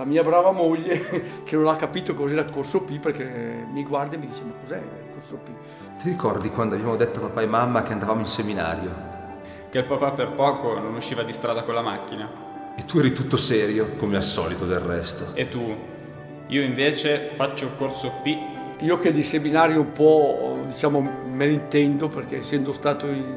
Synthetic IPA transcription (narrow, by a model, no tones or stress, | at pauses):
lamiːabɾaːvamoʎːekenõnlakːapiːt̪okozɛːɾakorsopiperkemiɡward̪iemid̪iːt͡ʃemakozɛ̰ | korsopi | t̪iɾikɔrd̪ikwand̪oabjamod̪et̪ːoapapaemːamːak̟eand̪avamoinsemina̰ːɾjo | keilpapaperpɔːkononuʃːiːvad̪ist̪ɾaːd̪akolamakːina | et̪ːuɛːɾit̪ut̪ːosɛːɾjokomeasːɔ̰ːlit̪od̪elrrɛst̪oet̪ːu | iːoiɱveːt͡ʃefat͡ʃːolkorsopiiːok̟ed̪iseminaːɾjoumpɔd̪it͡ʃaːmomeloint̪ɛnd̪operkesːɛnd̪ost̪aːt̪oi